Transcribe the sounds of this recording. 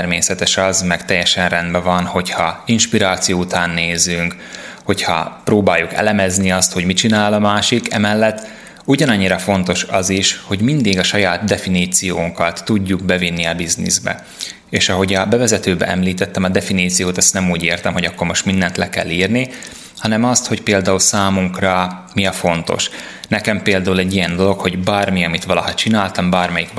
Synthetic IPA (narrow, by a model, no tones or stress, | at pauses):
rmeːsɛt̪ɛʃɒzmɛkt̪ɛjːɛʃɛnrɛnd̪bɛvɒnho̞chɒinʃpiɾaːt̪sijoːut̪aːnːeːzyŋk | ho̞chɒ̰proːbaːjːukɛ̰lɛmɛzniɒst̪ho̞ɟmit͡ʃinaːlɒmaːʃikɛ̰mɛlːɛt̪ː | uɟɒnɒɲːiɾɒfo̞nt̪o̞ʃɒziʃho̞ɟmind̪iɡɒʃɒjaːt̪d̪ɛfiniːt̪sijoːŋkɒt̪ːuɟːuɡbɛvinːiɒbiznḭzbɛ̰ | eːʃɒɦo̞ɟɒbɛvɛzɛt̪øːbɛ̰ʔɛmliːt̪ɛt̪ːɛmɒd̪ɛfiniːt̪sijoːt̪ɛst̪nɛmuːɟeːrt̪ɛmɦo̞ɟɒkːo̞rmo̞ʃt̪mind̪ɛnt̪lɛkɛ̰lːiːrni | hɒnɛmɒst̪ho̞cpeːld̪aːulsaːmuŋkrɒmiɒfo̞nt̪o̞̰ʃ | nɛkɛmpeːld̪aːulɛɟːijɛnd̪o̞lo̞kho̞ɟbaːrmiɒmit̪ʋɒlɒhɒt͡ʃinaːlt̪ɒmbaːrmɛjik